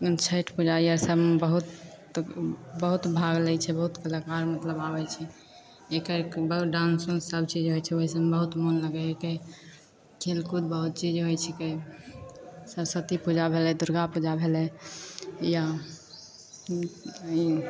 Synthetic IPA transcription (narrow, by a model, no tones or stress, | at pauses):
t͡ʃʰəʈʰpud͡ʒaiəɾsəbbəɦut̪ | bəɦut̪bʱaɡlɛt͡ʃʰɛbəɦut̪kəlakaɾmət̪ləbabɛt͡ʃʰɛ | ekəɾbəɦuɖãnsonsəbt͡ʃid͡ʒɦojt͡ʃʰɛoɦisəmbəɦut̪monləɡɛeke | kʰelkud̪bəɦut̪̚t͡ʃid͡ʒɦojt͡ʃʰɛke | səbsət̪ipud͡ʒabʱelɛd̪uɾɡapud͡ʒabʱelɛ | ja | i